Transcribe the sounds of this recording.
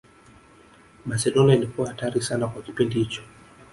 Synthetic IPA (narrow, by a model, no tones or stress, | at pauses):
masɛɗɔniailikuahataɾisanakwaki̥pindihit͡ʃɔ̥